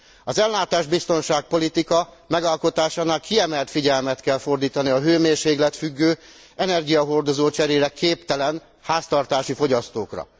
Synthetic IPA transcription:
ɒzɛlːaːt̪aːʒbist̪o̞nʃaːk̚po̞lit̪ikɒ | mɛɡɒlko̞t̪aːʃaːnaːlkiɛmɛlt̪fiɟɛlmɛt̪kɛlfo̞rd̪iːt̪ɒniɒɦøːmeːrʃeːɡlɛt̪fyɡːøː | ɛnɛrɡijɒɦo̞rd̪o̞zoːt͡ʃɛɾeːɾɛkʰeːpt̪ɛlɛn | haːst̪ɒrt̪aːʃifo̞ɟɒst̪o̰ːkrɒ̰

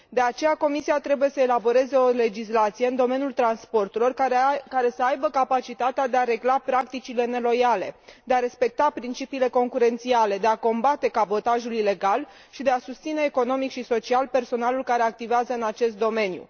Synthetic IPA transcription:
d̪e̞at͡ʃe̞jako̞misiat̪ɾe̞buje̞səelabo̞ɾe̞ze̞o̞le̞d͡ʒislat̪sije̞ɨnd̪o̞me̞njult̪ɾanspo̞rt̪elo̞rkaɾe̞səajbəkapat͡ʃit̪at̪ead̪e̞aɾe̞ɡlapɾak̚t̪it͡ʃile̞ne̞lo̞jale̞̰d̪eaɾe̞spe̞k̚t̪apɾint͡ʃipiːle̞ko̞ŋkuɾe̞nt̪siale̞d̪e̞ako̞mbat̪e̞kabo̞t̪aʒulile̞ɡal | ʃid̪e̞asust̪sine̞ːko̞no̞mikʃiso̞t͡ʃialpe̞rso̞nalulkaɾe̞ak̚t̪iveazəɨnat͡ʃe̞st̪d̪o̞me̞njṵ

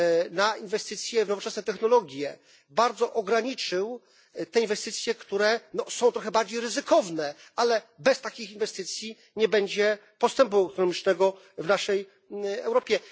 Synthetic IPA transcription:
nainvɛst̪ɘt̪sʲjɛvnɔvɔt͡ʂɛsnɛt̪ɛxnɔlɔɡʲjɛ | baɾd̪zɔʔɔɡɾaɲit͡ʂɘw | t̪ɛinvɛst̪ɘt̪sʲjɛkt̪uɾɛnɔsɔ̃w̃t̪ɾɔxɛbaɾd͡ʑejɾɘzɘkɔvnɛ | alɛbɛst̪akʲixinvɛst̪ɘt̪sʲji | ɲɛbɛɲd͡ʑɛ | pɔst̪ɛmp̬uɛkɔnɔmʲit͡ʂnɛɡɔ | vnaʂɛj | ɛwɾɔpʲjɛ

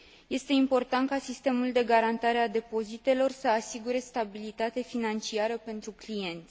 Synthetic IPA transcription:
je̞st̪e̞impo̞rt̪ant̪̚kasist̪e̞muld̪e̞ɡaɾant̪aɾe̞ad̪e̞po̞zit̪e̞lo̞rsəasiɡuɾe̞st̪abilit̪at̪e̞finant͡ʃiaɾəpe̞nt̪ɾuklije̞nt̪sʲ

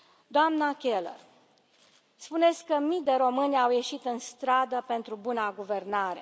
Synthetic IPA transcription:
d̪oamnakʲelə̰r | spune̞t̪skːəmijd̪e̞ɾo̞mɨnʲawje̞ʃit̪ɨnst̪ɾad̪əpe̞nt̪ɾubunaɡuve̞rnaɾe̞̰

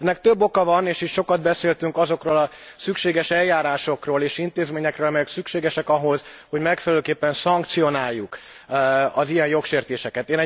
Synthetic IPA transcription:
ɛnːɛk̚t̪øbːo̞kɒvɒneːʃit̪ʃo̞kɒd̪̚bɛseːlt̪yŋkɒzo̞kroːlɒ | sykʃeːɡɛʃɛljːaːɾaːʃo̞kroːleːʃint̪eːzmeːɲɛkrøːlɒmɛjɛksykʃeːɡɛʃɛkɒɦo̞z̥ho̞ɟmɛkfɛlɛløːkeːpːɛnsɒŋkt̪sijo̞naːjːuk | ɒzijɛnjo̞kʃeːrt̪eːʃɛkɛt̪eːnɛ

